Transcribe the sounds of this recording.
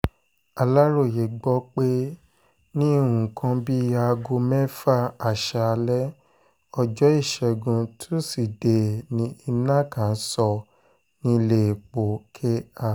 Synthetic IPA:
a˧la˦ɾo˦˨je˨˦ɡ͡bɔ˦k͡pe˦ | nĩ˦˨ũ˨kʰã˧bi˦a˧ɡo˧mɛ̃˦fa˦a˨ʃa˧lɛ˦ | ɔ˧d͡ʒɔ˦i˦˨ʃɛ˧ɡũ˧tʰu˦si˨de˨nĩ˧˦i˧nã˦kã˨n̩˦sɔ˧ | nĩ˧le˦˨k͡po˨kʰe˦a˦˨

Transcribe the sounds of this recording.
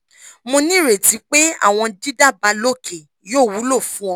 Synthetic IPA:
mo˧nĩ˦ɾe˨ti˨˦k͡pe˦a̰˦˨w̃ɔ̃˧di˦da˦˨ba˨˧˦lo˦˨kʰe˨ | joː˦˨wu˨˦lo˦˨fũ˦ɔ̃˧˦

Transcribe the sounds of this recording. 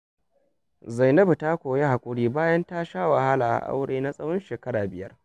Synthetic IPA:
za˨jnɐ˦bu˨ta˦kʷoː˨je˦ha˨kʷʼʊ˦ɽiː˦baː˦jɐ˦nta˦ʃaː˦wɐ˨ha˦laː˨ʔa̰˨ʔa̰˦wɽeː˦na˦sʼɐ˦wɔ˦nʃeː˨kɐ˦ɽaː˨bɪ˨jɐ˦r

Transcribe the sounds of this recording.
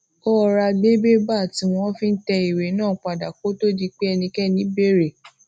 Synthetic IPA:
ɔ˦˧ɾa˧ɡ͡be˦be˦ba˦˨ti˨˧w̃ɔ̃˦fĩ˦n̩˦tɛ˧i˨ɾe˨˦nãː˦˨˦k͡pa˨da˨ko˨˦to˦di˧k͡pe˦ɛ˧nĩ˧kɛ˦˨nĩ˨˦be˦˨ɾe˨

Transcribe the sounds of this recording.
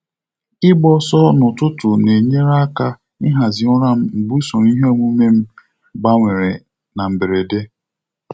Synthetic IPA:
ɪ˦ɡ͡bɔ˦sɔ˦nʊ˨tʊ˦tʊ˨ne˨ɲe˦ɾa˦ka˦ | ɪ˦ɦa˨zɪ˨ɔ˦ɾa˦m̩˦m̩˨bu˦so˨n˦i˦ɦo˦mu˦me˦m̩˦ | ɡ͡ba˦ŋʷe˨ɾe˨ | na˨m̩˨be˨ɾe˨de˦

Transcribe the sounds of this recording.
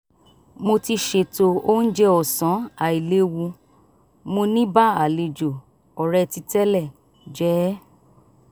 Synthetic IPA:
mo˧ti˧ʃe˧to˧o˦n̩˦d͡ʒɛ˦ɔ˨sã˨˦a˨i˨le˨˦wu˧ | mo˧nĩ˦ba˦a˨le˨d͡ʒo˨ | ɔ˨ɾɛ˧ti˧tɛ˦lɛ˦˨ | d͡ʒɛ˨˦

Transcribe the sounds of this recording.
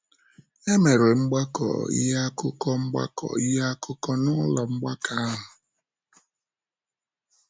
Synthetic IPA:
e˦me˨ɾe˨ŋ͡m̩˦ɡ͡ba˦kɔ̰˨ḭ˦ja˦kʊ˦kɔ˦ŋ͡m̩˦ɡ͡ba̰˦kɔ̰˨i˦ja˦kʰʊ˦kɔ˦nʊ˦lɔ˨ŋ͡m̩˦ɡ͡ba˦kʰa˨a˦ɦʊ˨

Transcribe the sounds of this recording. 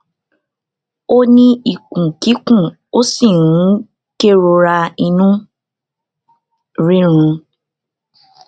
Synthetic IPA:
o˦nĩ˧i˨kũ˨ki˨˦kũ˦˨ | o˦si˦˨ɾũ˨˦ | ke˦ɾo˧ɾa˧i˧nũ˦ | ɾĩ˦ɾ̃ũ˧

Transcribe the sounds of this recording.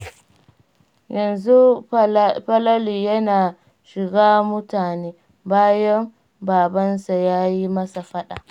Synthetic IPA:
jɐ˨nzu˦ | ɸɐ˦lɐ˦liː˨jɐ˦naː˨ | ʃɪ˨ɡaː˦mʊ˦taː˨neː˦ | baː˦jɐ˦m | baː˨bɐ˦nsa˨jaː˦ji˦mɐ˦sa˨ɸɐ˦ɗa̰˨

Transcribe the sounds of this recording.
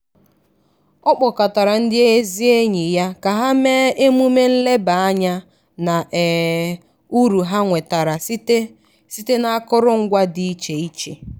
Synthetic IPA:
ɔ˦k͡pʊ˨ka˨ta˨ɾa˨n̩˦dɪ˦e˦e˦zi˦e˦ɲi˨ja˦ka˨ɦa˦me˦e˦mu˦me˦n̩˦le˦ba˨a˦ɲa˦ | na˨ʔ | u˦ɾu˨ɦa˦ŋʷe˨ta˨ɾa˨˦ | si˦te˦na˦kʊ˦ɾʊ˦ŋ̩˦ɡʷa˦dɪ˦i˦t͡ʃe˨i˦t͡ʃe˨

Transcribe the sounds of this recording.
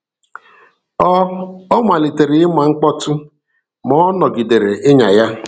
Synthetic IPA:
ɔ˦ɔ˦ŋʷa˨li˨te˨ɾɪ˨ɪ˦ma˨ŋ͡m̩˦k͡pɔ˦tʊ˦ | mɔ˨˦nɔ˨ɡi˨de˨ɾe˨ʔɪ˦ɲa˨ja˦

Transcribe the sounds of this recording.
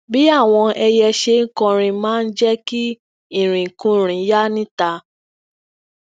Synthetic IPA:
bi˦a˦˨w̃ɔ̃˧ɛ˧jɛ˧ʃe˧ŋ̩˦kɔ̃˧ɾ̃ĩ˧mãː˦n̩˦d͡ʒɛ˦ki˦ | ĩ˦˨ɾ̃ĩ˨kũ˨˦˨ɾ̃ĩ˨˦ja˦nĩ˦ta˧

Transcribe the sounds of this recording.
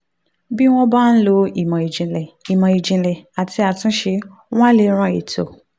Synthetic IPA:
bi˦w̃ɔ̃˦ba˦˨n̩˦lo˧i˨mã˨i˨d͡ʒĩ˨lɛ˨i˨mã˨i˨d͡ʒĩ˨˧lɛ˨a˨ti˧a˨˧tĩ˦ʃe˧ | w̃ã˦le˧ɾ̃ã˧˦˨i˨to̰˨

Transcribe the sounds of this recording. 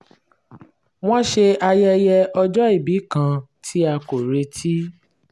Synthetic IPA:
w̃ɔ̃˦ʃe˧ʔa˧jɛ˧jɛ˧ɔ˧d͡ʒɔ˦i˦˨bi˨˦kã˧tʰi˦a˧ko˨ɾe˧tʰi˦

